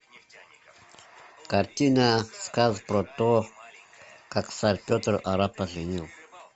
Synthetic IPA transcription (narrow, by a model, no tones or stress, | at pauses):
kartinaskazpɾoto | kaksaɾpʲot̪ɾaɾapaɮəniw